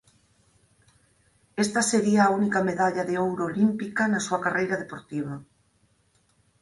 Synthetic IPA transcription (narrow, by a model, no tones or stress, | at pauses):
est̪ɐseɾiaːunikɐmeðaʎɐðeowɾoːlimpikɐnɐsuɐkarejɾɐðepoɾt̪iβ̞ɐ